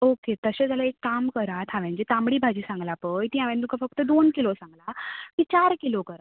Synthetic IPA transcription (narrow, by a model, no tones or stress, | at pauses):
oket̪əɕed͡zalaekːamkəɾat̪ʰɦaʋɛ̃nd͡ʑet̪ãmɽiːbʱad͡ʑiːsãŋɡlapəjt̪ĩãʋɛ̃t̪ũkʰafək̚t̪əd̪onkilosãŋɡlakit͡ɕaɾkilokəɾa